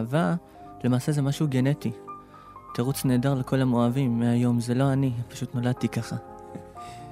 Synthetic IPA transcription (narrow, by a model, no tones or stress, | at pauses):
va | le̞maːse̞zemaʃuuɡe̞ne̞ti | teʁut͡sne̞ːdaʁleko̞lamo̞avimːeajo̞mze̞lo̞anipḁʃutno̞lad̚t̪ikaχa